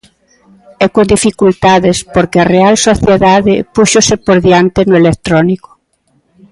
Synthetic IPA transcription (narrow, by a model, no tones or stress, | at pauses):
ɛkod̪ifikult̪aðɪspoɾkɪɐrealsoθjeðaðɪpuʃosɪpoɾðjant̪ɪnʊelek̚t̪ɾɔnikʊ̥